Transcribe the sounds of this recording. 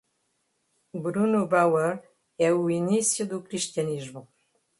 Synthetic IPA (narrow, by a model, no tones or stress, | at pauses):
bɾunobawəɾ | ɛuinisjəd̪ukɾiʃt̪janizmə